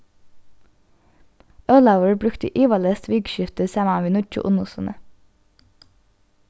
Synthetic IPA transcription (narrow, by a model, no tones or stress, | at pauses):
œlɑʊəɹbɾʉkt̪əʔiːʋɑləst̪ʰʋiːɡʃʏft̪əsɛmɑnʋiːnʊc͡çʊ̰ʔʊnʊsɑ̰nʔə